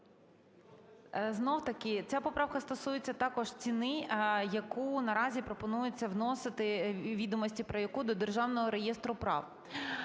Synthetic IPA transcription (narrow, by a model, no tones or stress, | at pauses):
znɔwt̪ɐkɪt͡sʲapɔpɾɑwkɐst̪ɔsujet͡sʲːɐt̪ɑkɔʒ̥t͡sʲinɪjɐkunɐɾɑzʲipɾɔpɔnujʊt͡sʲːɐwnɔsɪt̪ɪʋʲid̪ɔmɔsʲtʲipɾɐjɐkud̪ɔd̪erʒɑwnɔɦɔɾejɛst̪ɾʊpɾɑ̰w